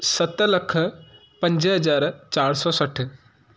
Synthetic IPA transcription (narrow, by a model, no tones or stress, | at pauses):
sɐt̪ləkʰ | pɐ̃ɲd͡ʒɦɐd͡ʒaːɾt͡ʃaːɽsɔːsɐʈʰ